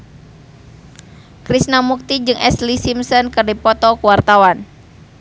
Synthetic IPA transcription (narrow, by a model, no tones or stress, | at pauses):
kɾisnamuk̚t̪id͡ʒɨŋʔɛslisimsɔnkɨrdipɔt̪ɔkuwart̪awan